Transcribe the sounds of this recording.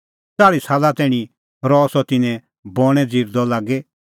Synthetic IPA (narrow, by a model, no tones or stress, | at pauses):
t͡saːɽisaːlat̪ɛːɽ̃i | ɾɔsɔt̪ɪnɛ̃ | bɔɽ̃ɛd͡ziːɾd̪ɔlaːɡɛ